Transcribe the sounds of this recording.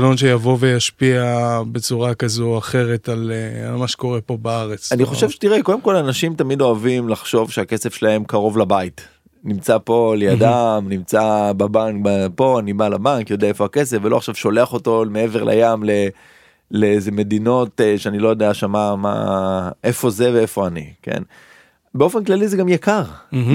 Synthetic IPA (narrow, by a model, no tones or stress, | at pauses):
lonʃejavo̞vejaʃpiabe̞t͡suʁakazuaχe̞ʁetalealmaʃe̥ko̞ʁepo̞baaʁet͡saniχo̞ʃevʃetiʁeko̞demko̞lanaʃimtamido̞avimlaχʃo̞vʃeake̞sefʃelae̞mkaʁo̞vlabait | nimt͡sapo̞lejadamnimt͡sababaŋkbapo̞anibalabaŋkjo̞d̪eaefo̞akes̬efvelo̞aχʃavʃo̞le̞aχo̞to̞mee̞ve̞ʁlʔa̰jamle | leeze̞me̞dino̞teʃeanilo̞jo̞deaʃamama̰ʔe̞fo̞ze̞veefo̞anḭke̞̰n | beo̞fe̞nklalizeɡamjakaʁ